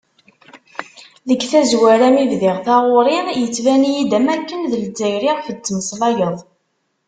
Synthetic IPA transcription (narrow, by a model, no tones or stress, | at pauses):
ðəɡθæzwæɾæmivðiʁθɑʁʊɾˤɪnjət͡sːvænijid̪æmækːənðəld͡zːæjɾiʁfət͡sːməsˤlɑjəðˤ